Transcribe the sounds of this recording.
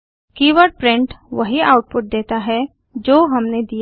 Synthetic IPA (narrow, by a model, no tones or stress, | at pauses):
kiːʋəɾɖ̚pɾɪ̃ɳʈʋɐɦiaːʊʈ̚pʊʈ̚d̪eːt̪aɦɛ | d͡ʒoːɦɐmned̪i